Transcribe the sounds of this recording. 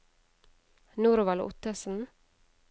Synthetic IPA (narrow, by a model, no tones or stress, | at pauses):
nuːɾʊʋɑlʔʊ̰t̪əsn̩